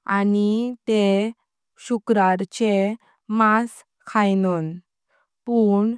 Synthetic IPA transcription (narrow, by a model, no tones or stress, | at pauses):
anit̪e | ɕukɾaɾt͡ɕe | mas | kʰajnɔn | puɳ